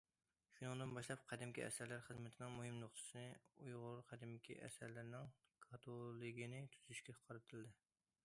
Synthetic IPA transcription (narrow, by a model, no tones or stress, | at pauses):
ʃunɨŋd̪ɨnbɑʃlˠɑp̚qʰæd̪ɪmkʲiɛ̰sæɾlæɾχəzmɪt̪ʰɪnɪŋmuhɨmnoχt̪ʰɨ̥sɨnɨujʁʊɾqʰæd̪ɪmkʲʰḭʔɛ̰sæɾlɪɾnɪŋkʰɑt̪ʰolˠɨɡʲinɪt̪ʰyz̥yʃkʲɛqʰɑɾɨt̪ʰɨld̪ɪ